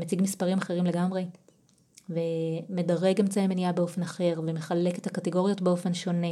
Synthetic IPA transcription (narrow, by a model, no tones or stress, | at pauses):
met͡siɡmispaʁimaχe̞ʁimle̞ɡamʁe̞ | vemedaʁe̞ɡemt͡saemeniabeo̞fe̞naχe̞ʁveme̞χale̞kethakateɡo̞ʁjo̞tbeo̞fe̞nʃo̞ne